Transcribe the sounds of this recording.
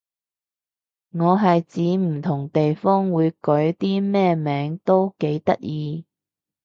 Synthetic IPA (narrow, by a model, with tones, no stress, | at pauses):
ŋɔː˨˧ɦɐ˨jt͡siː˨˥m̩˨˩t̪ʰʊ˨˩ŋt̪e˨jfɔː˥ŋwuː˨˧jkɵ˨˥ɥt̪iː˥mɛː˥˧mɛː˨˥ŋt̪o˥wke˨˥jt̪ɐ˥t̚jiː˨˧